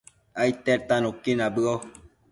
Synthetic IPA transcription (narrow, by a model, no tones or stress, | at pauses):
ajt̪eɾt̪ãnõkinabɯo